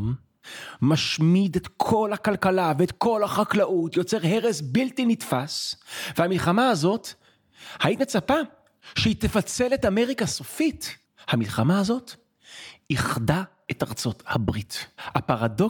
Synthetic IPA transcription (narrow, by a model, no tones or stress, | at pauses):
m | maʃmidetkʰo̞lhakalkalaveːtko̞laχaklaʔutjo̞t͡se̞ʁɦe̞ʁesbiltinitfasvehamilχamaːzo̞t | hajitnet͡sapa | ʃeitefat͡se̞letameʁikasofit | hamilχamaːzo̞t | iχda | etaʁt͡so̞thabʁithapaʁado